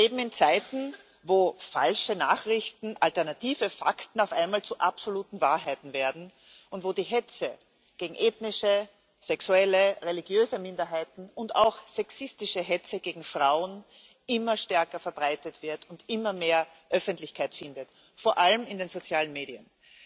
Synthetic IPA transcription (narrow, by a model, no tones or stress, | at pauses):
leːbm̩ɪnt͡saɪtn̩ | voːfa̰lʃənaːχʁɪçtn̩ʔaltɛɐnatiːvəfa̰ktn̩aʊfʔa̰ɪnmaːlt͡suʔapsoluːtn̩vaːɐɦaɪtn̩veːɐdn̩ | ʊntv̥oːdiːɦɛt͡sə | ɡ̥eːɡŋ̩ʔeːtnɪʃə | sɛksuɛləʁeliɡjøːzəmɪ̃ndɐɦaɪtn̩ʊnta̰ʊxsɛksɪstɪʃəɦɛt͡səɡ̥eːɡŋ̩fʁ̥aʊən | ʔɪmɐʃtɛɐkɐfɛɐbʁaɪtətv̥ɪɐtʊntɪmɐmeːɐ | ʔœfəntlɪçkʰaɪtfɪndət | foɐʔalmɪndeːnzot͡sjaːlənmeːdiən